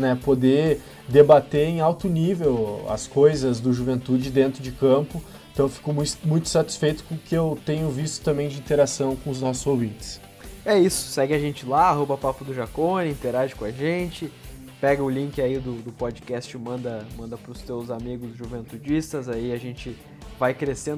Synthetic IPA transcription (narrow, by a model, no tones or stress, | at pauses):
nɛpod̪e | d̪ebat̪eɾẽj̃awt̪ʊnivewɐ̰skojzɐzd̪ʊʒuvẽnt̪ud͡ʒɪd̪ẽnt̪ɾʊd͡ʒɪkɐ̃mpʊẽt̪ɐ̃w̃fi̥kʊmũmũj̃t̪ʊ̥ɪ̥sat͡ʃi̥sfejt̪ʊ̥kõkɪewt̪ẽɲʊvist̪ʊ̥t̪ɐ̃mbẽj̃d͡ʒɪĩnt̪eɾasɐ̃w̃kõʊznɔsʊzowvĩt͡ʃ̪ɪ̥s | ɛisʊ̥sɛɡɪaʒẽnt͡ʃɪlaaɦobɐpapɐd̪ʊʒakõĩnt̪eɾaʒɪkõaʒẽt͡ʃɪ | pɛɡɐʊlĩŋkɪaid̪ʊd̪ʊpod͡ʒɪkɛst͡ʃɪmɐ̃nd̪ɐmɐ̃nd̪ɐpɾʊst̪ewzamiɡʊzʒuvẽnt̪ud͡ʒist̪ɐzaiaʒẽnt͡ʃɪ | vajkɾesẽnd̪ʊ